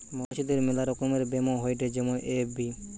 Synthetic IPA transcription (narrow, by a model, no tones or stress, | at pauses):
maʃid̪eɾmilaɾɔkomeɾbemoɦojʈed͡ʑemoʔebi